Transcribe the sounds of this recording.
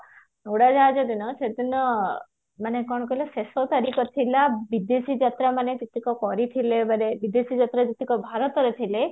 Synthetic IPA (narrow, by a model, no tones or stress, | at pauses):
nuɽad͡ʒaːd͡ʒed̪inɔsed̪inɔ | manekɔɳkɔilɔsesɔt̪aɾikɔt̪ʰilabid̪esid͡ʒat̪ɾamanet̪it̪ikɔkɔɾit̪ʰilebəɾebid̪esid͡ʒat̪ɾad͡ʒ̪it̪ikɔbʱaɾɔt̪ɔɾet̪ʰile